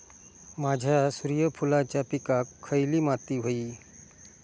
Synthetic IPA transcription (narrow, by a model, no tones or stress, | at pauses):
mad͡ʑʱjasuɾjəpʰulat͡ɕjapikakʰːəjlimat̪iɦoiː